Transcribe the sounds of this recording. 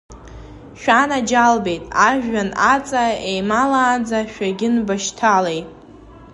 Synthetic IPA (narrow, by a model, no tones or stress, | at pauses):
ʃᶣanad͡ʒalbe̞jtʼaʒᶣːanat͡sʼaejmalaːnd͡zaʃᶣaɡʲɪnbaʃtʰale̞jtʼ